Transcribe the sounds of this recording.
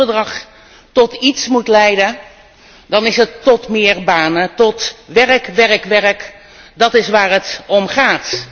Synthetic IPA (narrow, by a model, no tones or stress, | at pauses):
ərdrɑχ | tɔtitsmutlɛjdə | dɑnɪsətːɔtmɪəɹbaːnətɔtʋɛrəkʋɛrəkʋɛɹək | dɑtɪsʋaːɹətɔmχaːt